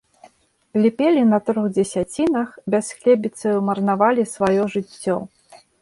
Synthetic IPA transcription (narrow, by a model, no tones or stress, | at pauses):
lʲipʲɛlʲinɐt̪ɾuɣd͡zʲɛsʲat͡sʲinɐxbʲasxlʲɛbʲit̪sɐwmɐrnavalʲisvajɔʐɨt͡sʲːɔ̰